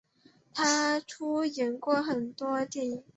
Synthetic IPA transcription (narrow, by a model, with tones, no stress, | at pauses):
t̪ʰa˥ʈ͡ʂʰu˥jɛ˨˩˥nkwɔ˥˩xə˨˩nt̪wɔ˥t̪jɛ˥˩ni˨˩ŋ